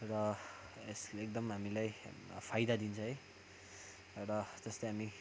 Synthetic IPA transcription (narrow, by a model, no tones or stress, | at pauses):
rʌesek̚d̪ʌmɦamilajpʰajd̪ad̪int͡sʰʌ̃ɦʌj | rʌd͡zʌslʌɦami